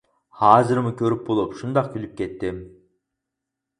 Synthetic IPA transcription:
hɑːzɨɾmʊkʲʰøɾɪp̚bolˠupʃund̪ɑq̚kʲʰylyp̚kʲet̪ːɪm

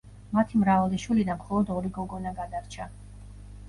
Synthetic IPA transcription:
mat̪ʰimɾavald̪ɛʃwilid̪anmχɔlˠɔd̪ɔɾiɡɔɡɔnaɡad̪aɾt͡ʃʰa

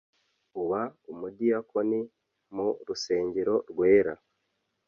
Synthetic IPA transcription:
uβaumudijakʰo̞ni | muɾuse̞ːɲɟeɾo̞ɾɡwe̞ːɾa

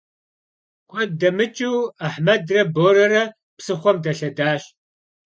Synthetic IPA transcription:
kʷʰɔdɐmɨt͡ʃʼɪwaħmɐdrɐboːɾɐrɐ | psɨχʷɔmdɐɬɐdaːɕ

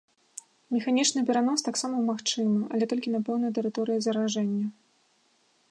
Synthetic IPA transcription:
mʲɛxanʲit͡ʂnɨpʲɛɾanɔst̪aksamɐwmaxt͡ʂɨmɐʔɐlʲɛt̪ɔlʲkʲinɐpɛwnɐjɐt̪ɛɾɨt̪ɔɾɨjɐzɐɾaʐɛnʲːɐ

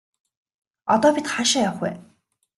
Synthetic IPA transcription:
ɔt̪ɔːpʲit̪χaʃaːjawχwḛː

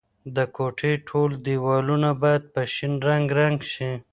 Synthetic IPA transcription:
d̪əkʰoʈʰeʈʰold̪iwɑlunabɑjad̪̚pəʃinɾaŋɡɾaŋɡʃi

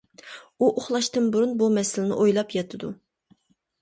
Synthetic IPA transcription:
uʔoχlˠɑʃt̪ɨnbuɾunbumɛsɪlɪnɪ̰ʔojlˠɑpjɑt̪ʰɨd̪u

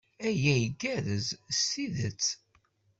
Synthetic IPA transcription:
æjæjəɡæðəzsːiðət͡sː

